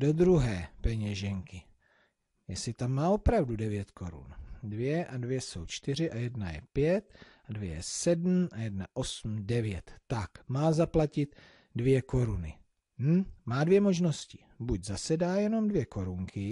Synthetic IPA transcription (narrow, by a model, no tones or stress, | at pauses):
dod̪ɾuɦɛːpɛɲɛʒɛŋkɪ | jɛsɪt̪amːaːʔo̞pɾavdudɛvjɛt̪kʰo̞ɾṵndvjɛʔadvjɛso̞̰wt͡ʃt̪ɪr̝ɪʔajɛdnajɛ̰pjɛt̪̚ | advjɛjɛ̰sɛdm̩ʔajɛdnaʔo̞sm̩dɛvjɛt̪ːakmaːzaplacɪt̪ | dvjɛko̞ɾunɪ̰ | m̩maːdvjɛmo̞ʒno̞scɪ | buɟzasɛdaːjɛno̞mdvjɛko̞ɾuŋkʰɪ